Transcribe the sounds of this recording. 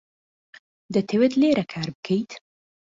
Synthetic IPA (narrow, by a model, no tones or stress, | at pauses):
d̪ət̪ʰewet̪leːɾɐkʰaːɾbɨkʰejt̪